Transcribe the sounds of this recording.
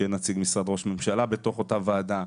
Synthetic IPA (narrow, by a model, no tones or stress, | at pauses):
enat͡siɡmisʁad̪ʁo̞ʃme̞mʃalabe̞t̪o̞χo̞tavaːd̪a